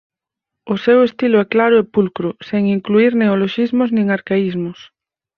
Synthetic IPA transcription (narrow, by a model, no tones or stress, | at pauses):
ʊsewest̪iloɛklaɾʊepulkɾʊseŋiŋkluiɾneoloʃizmʊznĩŋaɾkaizmʊs